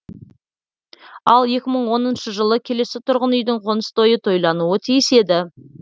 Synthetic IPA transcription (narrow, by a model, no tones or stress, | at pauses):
ɑlˠje̞kʲɪməɴwo̞nənʃəʒəlˠəkʲʰe̞le̞sɪt̪ʰʊɾʁənʏjd̪ɪɴqʰonəst̪o̞jət̪ʰo̞jlˠɑnuət̪ʰijɪse̞d̪ɪ